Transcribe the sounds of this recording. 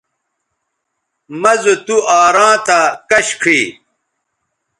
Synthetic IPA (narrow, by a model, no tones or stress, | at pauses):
mɐzut̪uaːɾãːt̪akɐɕkʰiː